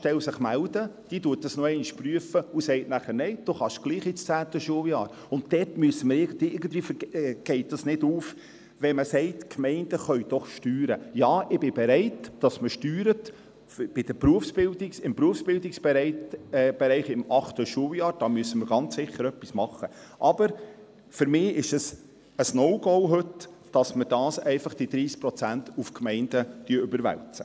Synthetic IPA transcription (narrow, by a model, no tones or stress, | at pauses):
ʃtɛlsɪχmæld̥əd̥iːtuət̚dɑsnoɛɪnɪʃpryəfəusɛɪtnæχəɾneɪd̥oχɑʃɡ̥liːχit͡st͡sæːtəʃuəljɑːɾ | ʊnt̚dɛtmyəsəməɾɪɡəniɪɾɡən̩tʋiːfəɛɡ̥ɛɪt̚dɑsnɪduːf | ʋɛməsɛɪtkʰmɛɪnd̥əχœʏd̥ɔχʃtyːɾəjɑːʔɪbɪbeɾɛɪtːɑsməʃtyːɾət | b̥ɪd̥əɾpɾuəfsb̥ɪldiksɪmpɾuəfsb̥ɪldɪksbɛɾɛɪb̥ɛɾɛɪχɪmʔɑχtəʃuəwjɑːɾd̥ɑːmyəsːəməɾɡ̥ɑnt͡ssɪχːəɾœpːismɑχːə | ʔɑb̥əɾ | fʏɾmɪːɪʃəs | əsnɔʊɡɔwɦɵtː | ɑsməɾd̥ɑːsɛɪfɑχd̥id̥̪ɾiːskpɾɔt͡sæntufkmɛɪnd̥əd̥yəʉbəɾʋæ̰lt͡sə̥